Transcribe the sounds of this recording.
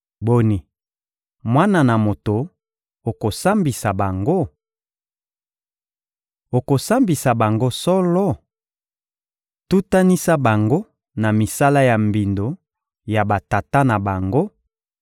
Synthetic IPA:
bo˨ni˨ | mwa˦na˨na˨mo˨to˨ | o˨ko˨sa˦mbi˨sa˨ba˨ŋɡo˦ | o˨ko˨sa˦mbi˨sa˨ba˨ŋɡo˦sɔ˦lɔ˦ | tu˦ta˦ni˦sa˦ba˨ŋɡo˦ | na˨mi˨sa˦la˦ja˨mbi˨ndo˨ | ja˨ba˨ta˨ta˦na˨ba˨ŋɡo˦

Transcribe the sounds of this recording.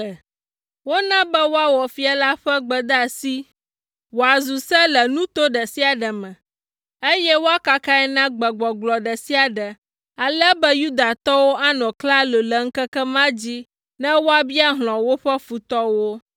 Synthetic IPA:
wo˦nã˦bɛ˦wo˦a˦wɔ˨fi˦a˨la˦ɸɛ˦ɡ͡bɛ˨d̪a˨si˦ | wo˨a˨zu˨sɛ˦lɛ˨nũ˦t̪o˦ɖɛ˨si˦a˨ɖə˨mɛ̃˨ | e˦jɛ˦wo˦a˦ka˦ka˦ɛ˦nã˦ɡ͡bə˨ɡ͡bɔ˨ɡ͡blɔ˨ɖɛ˨si˦a˨ɖə˨ | a˨lɛ˦bɛ˦ju˦d̪a˨t̪ɔ˦wo˦ʔa˦nɔ̃˨kla˦lo˨lə˨ŋ̩˦kɛ˦kɛ˦mã˦d͡ʑi˦ | nɛ̃˦wo˦a˦bi˦a˦ɦl̃ɔ̃˨wo˦ɸɛ˦fu˨t̪ɔ˦wo˦

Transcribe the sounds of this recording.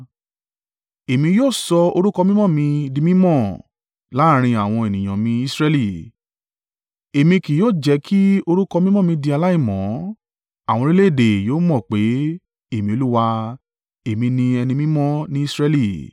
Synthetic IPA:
e˨mĩ˧joː˦˨sɔ˧o˧ɾu˦kɔ˧mĩ˦mɔ̃˦˨mĩ˧di˧mĩ˦mɔ̃˦˨ | la˨˦˨ɾ̃ĩ˧a˨w̃ɔ̃˧e˨nĩ˨j̃ã˨mĩ˧i˦˧sɾɛ˧li˦˨ | e˨mĩ˧ki˨joː˦˨d͡ʒɛ˨˧˦kʰi˦o˧ɾu˦kɔ˧mĩ˦mɔ̃˦˨mĩ˧di˧a˧la˦i˦˨mɔ̃˨˦ | a˨w̃ɔ̃˧ɾi˦le˦e˦˨de˨joː˦mɔ̃˦˨k͡pe˨˦ | e˦˨mĩ˧o˧lu˦wa˧ | e˨mĩ˧nĩ˧ɛ˧nĩ˧mĩ˦mɔ̃˦nĩ˦i˦˧sɾɛ˧˦li˦˨

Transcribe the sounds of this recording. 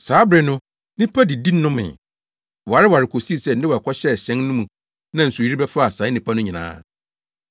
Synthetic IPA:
saː˨˦bɾɛ˨nʊ̃˦ | nɪ̃˦pʰa˦dɪ˨di˦nʊ̃˦mɪ̰̃˨ | wɔ˨a˨ɾɪ˦wa˨ɾɪ˨kʰo˨si˦˨sɛ˦˨n̩˦nɪ˦wa˨kʰɔ˦ɕɛ˦˨ɕɛ̃˦nnʊ̃˦mũ˨ | nã˦n̩˨su˨i˦ɾi˦bɛ˦fʊ˦a˨sã˨˦ɪ˦nɪ̃˨pʰa˦nʊ̃˦ɲĩ˨nã̰ː˨˦

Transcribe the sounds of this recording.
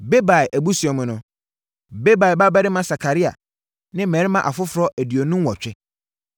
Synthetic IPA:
be˦ba˨ɛ˨ʔæ˨bu˦su˨ɛ˨mʊ̃˨nʊ̃˨ | be˦ba˨ba˦ba˦ɾɪ˦mã˦sa˨kʰa˨ɾi˦a̰˨ | nɪ̃˦mɛ̃˨ɾɪ˦mã˦˨ʔa˨fʊ˦fʊ˨ɾɔ˦ʔæ˨di˨o˨nũ˦wɔ˨t͡ɕᶣɪ˦

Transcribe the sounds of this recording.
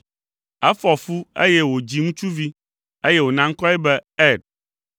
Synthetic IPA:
ɛ˦fɔ˨fu˦ḛ˦jɛ˦wo˨d͡ʑi˨ŋũ˦t͡ʃu˦vi˦ | e˦jɛ˦wo˨nã˦ŋ̩˦kɔ˦ɛ˦bɛ˦ɛ˦˨ɖ̚

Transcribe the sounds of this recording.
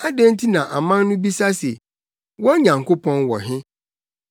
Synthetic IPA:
a˦dɛ̃˦n˦tʰi˦nã˨ʔa˨mã˦nːʊ̃˦bi˦sa˦se˨ | wɔ˦ɲã˨ŋkʰo˦pʰɔ̃˦nwɔ̰˨ɦɪ̃˦

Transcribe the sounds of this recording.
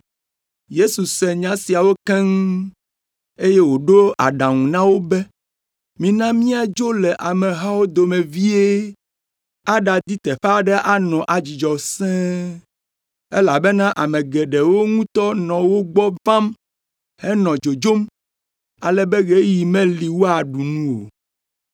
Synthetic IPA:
je˦su˨sɛ˨ɲã˦si˨a˨wo˦kɛ̃˦ŋ˦ | e˦je˦wo˨ɖo˦ʔa̰˨ɖã˨ŋũ˨nã˦wo˦bɛ˦ | mĩ˦nã˦mĩ˦a˨d͡ʒo˦lɛ˨ʔa˨mɛ̃˨ɦa˦wo˦d̪o˨mẽ˨vi˦e˦ | a˦ɖa˨d̪i˦t̪ɛ˨ɸa˨ɖɛ˦ʔa˦nɔ̃˨ʔa˨d͡ʑi˨d͡ʒɔ˨sɛ̃˦ | e˦la˨bɛ˦nã˦ʔa˨mɛ̃˨ɡɛ˨ɖɛ˨wo˦ŋũ˦t̪ɔ˦nɔ̃˨wo˦ɡ͡bɔ˦vã˦m | hɛ˦nɔ̃˨d͡ʒo˨d͡ʒo˦m | a˨lɛ˦be˦ɣe˦ji˨mẽ˦li˨wo˦a˨ɖu˨nũ˦wo̰˨

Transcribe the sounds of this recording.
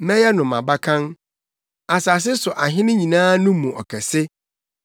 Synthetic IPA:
mɛ̃˦jɛ˦nʊ̃˨mã̰˨ba˦kʰã˦n | a˨sa˨s̬ɪ˦sʊ˨ʔa˨ɦɪ̃˦nʊ̃˦ɲĩ˨nãː˦nʊ̃˦mũ˨ɔ̰˨kʰɛ˨sɪ˦

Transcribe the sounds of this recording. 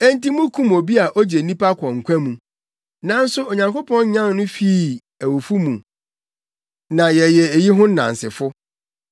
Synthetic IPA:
æ˦n̩˦ti˦mũ˦kʰũ˦mo˨bi˦a˨ʔɔ˦d͡ʑe˨nĩ˦pa˦kʷʰɔ̃˨ŋ̩˨kʷʰæ̃˦mũ˨ | nã˦n̩˦sʊ˦ɔ˨ɲã˨ŋko˦pʰɔ̃˦n˦ɲã˦nnʊ̃˦fi˦˨ | æ˨wo˨fu˦mũ˨ | nã˨jɛ˨jɛ˨e˨ji˦ɦʊ̃˦nːã̰˨n˨sɪ̰˨fʊ˦

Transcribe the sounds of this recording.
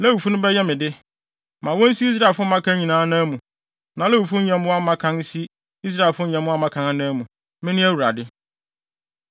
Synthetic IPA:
lɛ˦wu˨fu˦nʊ̃˦bɛ˦jɛ˦mɪ̃˨dɪ˦ | mã˨wɔ̃˦n̩˦si˦i˦s̬ɾa˦˨lfʊ˦mã˦kʰã˦ɲĩ˨nãː˦nãː˦mũ˨ | nã˨˦lɛ˦u˨fu˦ɲɛ̃˨m̃˦wa˦mã˦kʰã˦n̩˦si˦ | i˦s̬ɾa˦e˨lfʊ˦ɲɛ̃˨m̃˦a˦mã˦kʰã˨˦a˦nãː˦mũ˨ | mɪ̃˦nɪ̃˦æ˦wu˨ɾa̰˨dɪ˦

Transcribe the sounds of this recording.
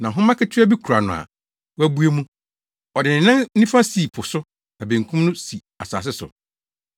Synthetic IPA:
nã˨ɦʊ̃˦mã˦kɪ˦tʰɪ˦a˦bi˦kʰu˨ɾa˨nʊ̃˨a̰˨ | wæ˦bu˦e˦mũ˦ | ɔ˨dɪ˨nɪ̃˨nã˦n˦nĩ˦fã˦siː˨pʰʊ˨sʊ˦ | a˨bẽ˨ŋ˨kʰũ˦mnʊ̃˦si˨ | a̰˨sa̰ː˨s̬ɪ˦sʊ̰˨

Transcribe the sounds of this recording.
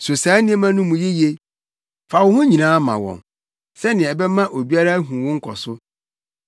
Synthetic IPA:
so˨saː˨˦nɪ̃˦e˦mã˦nʊ̃˦mũ˨je˦je˦ | fa˨wʊ˦hʊ̃˦ɲĩ˨nãː˨˦mã̰˨wɔ̰̃˨n | sɛ˦nɪ̃˨ɛ˨bɛ˦mã˦ʔo˨bi˦a˦ɾa˦æ˦ɦũ˨wʊ̃˦ŋ̩˦kʰɔ˨sʊ˦

